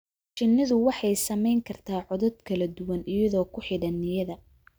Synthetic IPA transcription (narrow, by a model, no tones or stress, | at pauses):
t͡ʃɪnːɪðʊwɑħɑjsɐmɛjŋkʰɐrt̪ʰaːʕɔðɔd̪kʰɐlɐd̪ʊwɐnɪjɐðɔːkʰʊħɪɽɐnːɪjɐðɐ